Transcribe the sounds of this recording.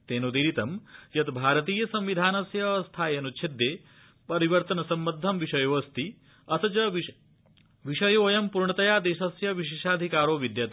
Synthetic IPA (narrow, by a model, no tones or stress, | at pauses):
t̪eːnud̪iːɾit̪ɐmjɐt̪bʱaːɾɐt̪iːjɐsɐmʋid̪ʱaːnɐsjɐst̪ʰaːjɐnut͡ʃʰed̪jeː | pɐɾiʋɐɾt̪ɐnɐsɐmbɐd̪ʱːɐmʋiʂɐjoʋɐst̪i | ɐsɐt͡ʃɐʋ | ʋiʃɐjoːjɐmpuɾɳɐt̪ɐjaːd̪eːʃɐsjɐʋiʃeːʃaːd̪ʱikaːɾoːʋid̪jaːt̪